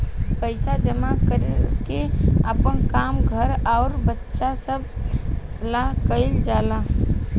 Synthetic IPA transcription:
pəɪsad͡ʒəmakəɾekeəpənkaːmɡʱəɾaːɾbətːʃasəb̚ | lakəɪld͡ʒaːlaː

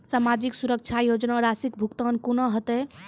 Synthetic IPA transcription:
samad͡ʒiksuɾək̚t͡ʃʰajod͡ʒnaɔɾasikbʱukt̪ənkunɔɦət̪ɛ

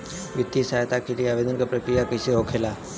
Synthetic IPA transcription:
ʋɪt̪ːisajt̪akelieaːʋeːd̪ənkapɾɐkɾijakɐseɦokʰelaː

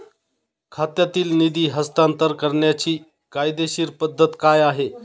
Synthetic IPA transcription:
kʰat̪jat̪iːlnid̪iːɦəst̪ant̪əɾkəɾɳjat͡ɕiː | kajd̪eɕiːɾpəd̪ʱːət̪kajaɦe

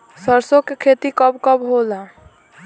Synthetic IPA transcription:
səɾsokekʰet̪ikəbkəbɦola

